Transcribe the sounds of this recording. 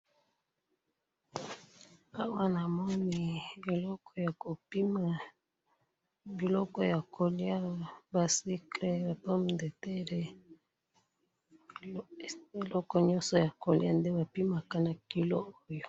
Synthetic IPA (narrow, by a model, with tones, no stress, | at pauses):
a˦wa˦na˨mɔ˦ni˦e˨lɔ˦kʰɔ˦ja˨ko˨pi˦ma˨ | bi˨lɔ˦kɔ˦ja˨kʰo˨li˦a˦ba˨si˦kle˦ba˨pa˦m˨de˨te˦ɾe˦ | e˨lɔ˦kɔ˦ɲɔ˦nsɔ˨ja˨ko˨lḭ˦a˦nde˦ba˨pi˦ma˨ka˦na˨ki˦lo˦o˦jo˨